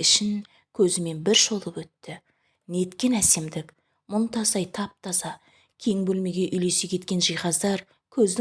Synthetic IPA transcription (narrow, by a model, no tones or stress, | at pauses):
ɪʃɪn | kʲʰɵzɪme̞nbɪɾʃo̞lˠəpwɵt̪ːɪ | ne̞t̪kʲe̞næse̞md̪ɪk | mʊnt̪ʰɑsɑjt̪ʰɑp̚t̪ʰɑsɑ | kʲʰe̞ŋbɵlme̞ɡʲe̞ʔʏjle̞sekʲʰe̞t̪kʲe̞nʒijχɑzd̪ɑɾ | kʲʰɵzd̪ɪ